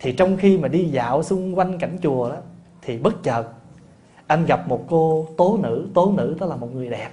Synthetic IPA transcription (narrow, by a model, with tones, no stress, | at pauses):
t̪ʰi˨˩t͡ɕɔ˧wŋ͡mxi˧maː˨˩ɗi˧za̰ː˧˨wsʊ˧ŋ͡mkwa˧jŋ̟ka̰˧˩jŋ̟t͡ɕu˨˩əɗɔ˨˦ | t̪ʰi˨˩ɓə˦˥t̚t͡ɕə˨˩t̚ | ʔa˧jŋ̟ɣa˨˩p̚mo˨˩t̚ko˧t̪o˨˦nɨ̰˧˥t̪o˨˦nɨ̰˧˥t̪ə˦k̚laː˨˩mo˨˩ŋɨ˨˩əjɗɛ˨˩p̚